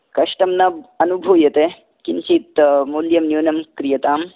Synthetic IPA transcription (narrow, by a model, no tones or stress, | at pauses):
kɐʂʈɐmnɐɐnubʱuːjɐt̪e | kint͡ʃit̪muljɐmnjuːnɐmkɾijɐt̪aːm